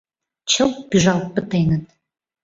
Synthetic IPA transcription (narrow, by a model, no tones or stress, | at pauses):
t͡ɕʰəlpiʒɑlt̪̚pə̆t̪enət̪̚